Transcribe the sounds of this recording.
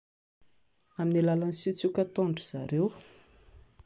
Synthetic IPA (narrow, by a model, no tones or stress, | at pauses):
aminilalanisit͡sukʲət̪oɳɖ͡ʐuz̥a̰ɾew